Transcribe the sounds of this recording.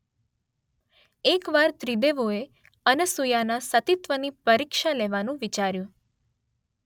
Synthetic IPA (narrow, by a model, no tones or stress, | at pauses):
ekʋaɾt̪ɾid̪eʋoe | ənəsujanasət̪it̪ʋənipəɾikʃaleʋanũʋit͡ʃaɾjũ